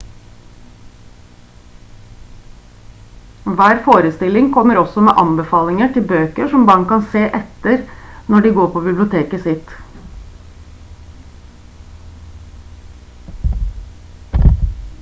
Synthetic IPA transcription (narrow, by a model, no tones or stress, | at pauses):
ʋæːɾfoːɾəst̪ɪlɪŋkʰɔməɾɔsɔmḛːʔɑnbəfɑːlɪŋəʈɪlbøːkəʂɔmbɑɳkɑnseːʔɛt̪əɾnɔɖiːɡoːɾpʰoːbɪblɪʊt̪ʰeːkəsɪt̪